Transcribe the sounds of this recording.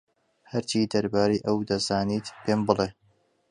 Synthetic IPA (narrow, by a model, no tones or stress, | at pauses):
hɐɾt͡ʃiːd̪ɐɾbaːɾeːʔɐwd̪ɐzaːniːt̪pʰeːmbɨle